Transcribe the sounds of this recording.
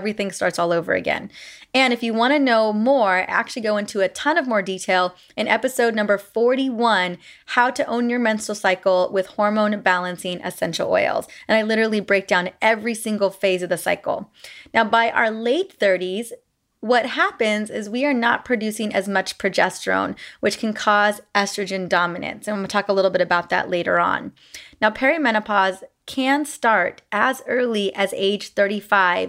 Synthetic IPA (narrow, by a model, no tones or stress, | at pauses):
vɹiθɪ̃ŋstɑɹtsɔlˠoʊvə̰˞ɨ̰ɡɛ̰̃nɨ̃nɨfjɨwɑ̃ɾ̃ɨnoʊmɔɹæ̰k̚t͡ʃʉl̩ˠiɡoʊɪ̃ntʰuɨtʰʌ̃nʌvmɔɹditʰeɪlˠ | ɨ̃nɛpɨsoʊdⁿnʌ̃mbə˞fɔɹɾiwʌ̃nhaʊɾɨʔõʊ̃njə˞mɛ̃nsl̩ˠsaɪkl̩ˠwɪð̥hɔɹmõʊ̃nbælˠə̃nsɪ̃ŋʔɨ̰sɛ̃nʃl̩ˠɔ̰ɪl̩ˠz̥ɨ̃ñaɪlɪɾə˞l̩ˠibɹeɪk̚d̥ãʊ̃nɛvɹisɪ̃ŋɡl̩ˠfeɪzʌvðɨsa̰ɪkl̩ˠnaʊbaɪʔə̰ə˞leɪt̪̚θɜ˞ɾiz̥ | wʌt̚hæpɨ̃nzɪzwiə˞nə̰t̚pʰɹ̥ɨdʉsɪ̃ŋɨzmʌt͡ʃpʰɹ̥ɨd͡ʒɛstɹ̥õ̰ʊ̃nwɨt͡ʃkʰɨ̃n̩kʰɔzʔɛstɹ̥ɨd͡ʒɨ̃ndɑmɨnɨ̰̃nsɨ̃nwtʰɔkəlɪɾl̩ˠbɪɾɨbaʊt̪̚ðɨ̰ʔˡleɪɾə̰˞ə̰̃nː | aʊpʰɛɹimɛñəpʰɑz̥kʰɨ̃nstɑɹɾʔɨzɜ˞lˠiʔɨzḛɪd̥ʒ̥θɜ˞ɾifaɪv